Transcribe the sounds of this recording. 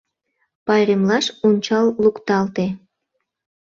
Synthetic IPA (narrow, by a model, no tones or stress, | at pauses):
pɑjɾemlɑʃunʲt͡ɕɑlːukt̪ɑlt̪e